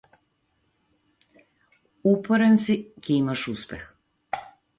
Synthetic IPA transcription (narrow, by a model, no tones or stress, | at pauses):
upoɾensikiimaʃuspḛx